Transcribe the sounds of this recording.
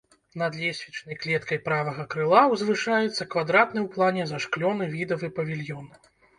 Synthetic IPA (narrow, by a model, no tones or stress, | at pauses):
nɐd̪lʲɛsʲvʲit͡ʂnɐjklʲɛt̪kɐjpɾavɐɣɐkɾɨlˠawzvɨʂajɛt̪sːɐkvad̪ɾat̪nɨwplˠanʲɛzaʂklʲɔnɨvʲid̪ɐvɨpɐvʲilʲjɔn